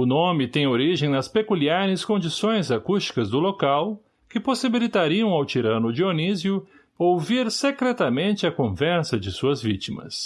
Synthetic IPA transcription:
ʊnõmɪt̪ẽj̃oɾiʒẽj̃nɐspekuliaɾɪskõnd͡ʒisõj̃zakust͡ʃi̥kɐzd̪ʊlokaw | kɪposibilit̪aɾiɐ̃w̃awt͡ʃiɾɐ̃nʊd͡ʒionizjʊ | owviɾsekɾɛt̪ɐmẽnt͡ʃɪɐkõvɛɾsɐd͡ʒɪsuɐzvḭt͡ʃimɐ̰s

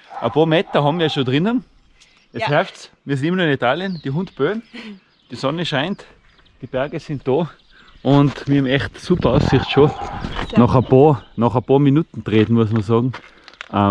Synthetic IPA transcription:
ʔɐpʰɑːɐmɛtɐɦɑbmiːɐʃoːdʁɪnən | ɛshɛɐft͡smiːɐsɪntɪmənuɐɪ̃nitaːljənd̥iɦʊntb̥øːn | d̥isɔnəʃaɪnt | d̥ib̥ɛɐɡəsɪnt̚d̥oː | ʔʊntmiːɐhɑbmɛχtsupɐaʊssɪχtʃoːnɔχapʰɑːɐnɔχəpɑːɐminuːtn̩tʁeːtn̩mʊəs̬mɐɐsɑːɡŋ̩ | ʔə

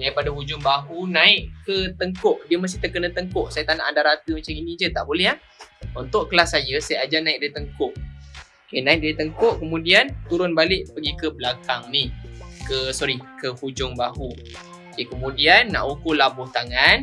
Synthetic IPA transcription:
naipadaɦud͡ʒʊŋbaɦunãɪʔkət̪əŋkʊʔdiəməs̬t̪iht̪əkənə̃t̪əŋkʊʔsajət̪anaʔandaɾat̪əmat͡ʃaminid͡ʒət̪aʔbolɛɦa | unt̪ʊʔkəlasːajəsajəad͡ʒanãɪk̚daət̪əŋkʊʔokenãɪk̚diət̪əŋkʊʔkəmũdiant̪uɾʊnbalɪʔpəɡikəbəlakaŋnihkəsɔɾikəhud͡ʒʊŋbaɦu | kekəmũdianːa̰ʔukʊlabʊht̪aŋan

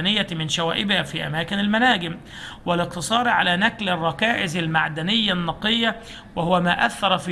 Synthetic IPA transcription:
nɪjːamɪnʃæwæːʔɪbhafiːʔæ̰mæːkɪnalmænaːɡɪm | wɪlɪq̚t̪ɨsˤɑːɾʕalæːnæklɪrˤːɑkaːʔɪzɪlmaʕd̪ænɪjːanːɑqɨjːa | wɪhʊwæmaːʔaθːɑɾˤɑfiː

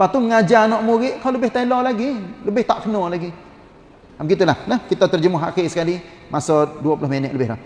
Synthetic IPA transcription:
pat̪uməŋad͡ʒanɔʔmuɾɪʔkawləbɪht̪alɔlaɡiləbɪht̪aʔkənɔlaɡi | amɡit̪ulahləhkit̪at̪ərd͡ʒəmʊɦa̰kisə̥kali | masoduapulohmenɛʔləbɪɦlah

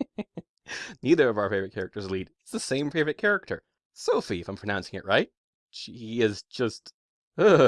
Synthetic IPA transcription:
niðə˞ʌvaʊə˞feɪvɹɨt̚kʰɛɹɨk̚tə˞zlidɨtsðɨsẽɪ̃mpʰɹeɪvɨt̚kʰɛɹɨk̚tʰə̰˞ | soʊfiɨfãɪ̃mpʰɹ̥əɨnãʊ̃nsɪ̃ŋɨ̰ʔ̚ɹaɪt̚ | ʃiiiɪz̥d͡ʒ̥ʌst | ʌ

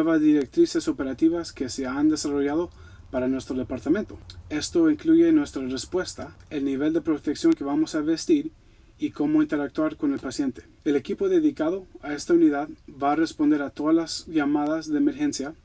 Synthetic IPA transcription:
eβazðiɾek̚t̪ɾise̞so̞pe̞ɾat̪iβaskese̞and̪e̞saro̞ʝaðo | paɾanwe̞st̪ɾoðe̞paɾt̪amẽ̞nt̪oe̞st̪oiŋkluʝenːwe̞st̪ɾarespwe̞st̪aelniβe̞ld̪epɾo̞t̪eksjo̞ŋke̞βamo̞saβest̪iɾ | iko̞moint̪e̞ɾak̚t̪waɾko̞ne̞lpasje̞nt̪e̥ | ele̞kipo̞ðe̞ðikaðoae̞st̪auniðaðbaːre̞spo̞nd̪e̞ɾat̪o̞ðalazʝamaðazðe̞ːme̞ɾxe̞nsja

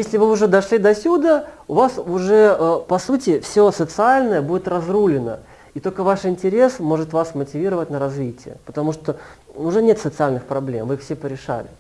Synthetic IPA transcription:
jesʲlʲɪvɨʊʐɛd̪ɐʂlʲid̪ɐsʲud̪əʊvasʊʐɛəpɐsutʲɪfsʲosət̪sɨalʲnəjəbudʲɪt̪rɐzrulʲɪnə̰ | it̪olʲkəvaʂɪnʲtʲɪɾʲe̞smo̞ʐɨt̪vasmətʲɪvʲiɾəvət̚ʲnəɾɐzvʲitʲɪjə̰pə̥t̪ɐmuʂt̪oʊʐɛnʲet̪sət̪sɨalʲnɨxpɾɐblʲemvɨixfsʲepəɾʲɪʂa̰lʲɪ

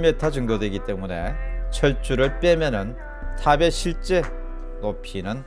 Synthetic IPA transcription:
metʰad͡ʑɯŋɡʌdweɡit͈e̞mune̞̰t͡ɕʰʌɭt͡ɕ͈uɾɯɭp͈e̞mjʌnɯn | tʰabe̞ɕʰiɭt͡ɕ͈e̞ | nopʰinɯn

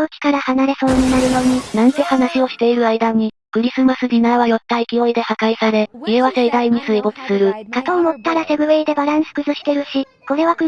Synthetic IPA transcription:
okʲi̥kaɾahanaɾe̞so̞ːɲ̟inaɾɯ̟j̪o̞ɲ̟inãnt̪o̞hanaɕio̞ɕi̥t̪e̞iɾɯ̟aid̪aɲ̟i | kɯ̟ɾʲisɨmasɨd̪ʲinaβajo̞t̪ːaikʲio̞id̪e̞hakaisaɾe̞ieβase̞d̪aimisɨebo̞t͡sɨ̥sɨɾɯ̟kat̪o̞ːmo̞t̪ːaɾase̞bɯ̟βeid̪e̞baɾãɰ̃sɨ̥kɯ̟zɨɕi̥t̪e̞ɾɯ̟ɕi | ko̞ɾe̞βakɯ

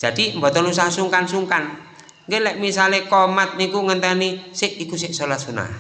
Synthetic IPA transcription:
ʒ̥ad̥imbɔt̪ɔnlus̬ahsuŋkansuŋkan | ŋɡelɛʔmisalekɔmat̪̚nikuŋənt̪ənisɪʔikusɪʔsolat̪̚suna̰

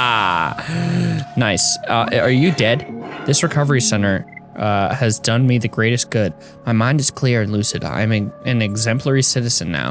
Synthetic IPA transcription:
naɪsʌə˞jɨdɛd̥ðɪsɹɨkʰʌvə˞isɛ̃nə˞ʔʌɨzdʌ̃nmiðɨɡɹeɪɾɨsɡ̥ʊd̚ | maɪmãɪ̃ndɨz̥kʰl̥ɪɹɨ̃nlʉsɨɾə̰ã̰ɪ̃mɨ̃ɨ̃nɨɡzɛ̃mpʰlə˞isɪɾɨz̥ɨ̃nːa̰ʊ

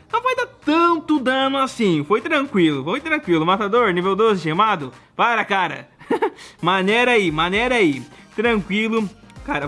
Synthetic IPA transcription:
nɐ̃w̃fojd̪at̪ɐ̃nt̪ʊd̪ɐ̃nʊasĩfojt̪ɾɐ̃kwilʊfojt̪ɾɐ̃kwilʊmat̪ad̪oɾnivewd̪ozɪʃemad̪ʊ | paɾɐkaɾɐ̰ | mɐneɾaimɐneɾait̪ɾɐ̃kwilʊkaɾɐ

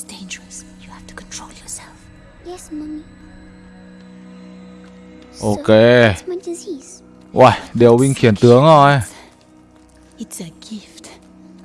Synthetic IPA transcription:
sd̥ẽnd͡ʒəɹəsjuhæftʰu̥kʰɔ̃ntʰɹoljɔsɛlf | jɛsmʌn | ʔoːkʰeːmadiziz | ʔajdewwiŋkʰiənt̪ɯəŋɔj | ɪtsəɡɪft

